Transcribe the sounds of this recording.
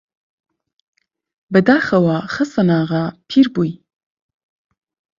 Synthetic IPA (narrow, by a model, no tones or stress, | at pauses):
bəd̪aːxəwaːxəsənaːʁapʰiɾbuj